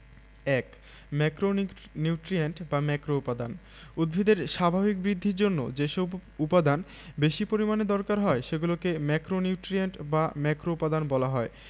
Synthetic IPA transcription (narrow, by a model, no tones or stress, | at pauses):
ɛk | mɛkɾo | niuʈɾieɳʈbamɛkɾoupad̪an | ud̪̚bʱid̪eɾʃabʱabik̚bɾid̪ʱːiɾd͡ʑonːo̰d͡ʑeʃobupad̪an | beʃipoɾimaned̪ɔɾkaɾɦɔeʃeɡulokemɛkɾoniʈɾieɳʈbamɛkɾoupad̪anbɔlaɦɔe